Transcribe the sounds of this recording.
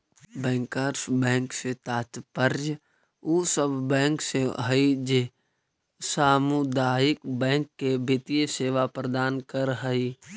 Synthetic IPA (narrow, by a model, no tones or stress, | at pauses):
bɛ̃ːŋkaːɾsbɛ̃ːŋkset̪aːt̪pəɾd͡ʒ | uːsəbbɛ̃ːŋkseɦəid͡ʒe | saːmud̪aːɪkbɛ̃ːŋkːebʱɪt̪ijseːʋapɾəd̪aːnkəɾɦəi